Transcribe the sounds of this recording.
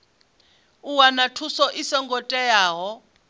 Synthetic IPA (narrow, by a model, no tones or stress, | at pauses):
uwanatʰusɔʔisɔŋɡʱɔtʼɛjaːɦɔ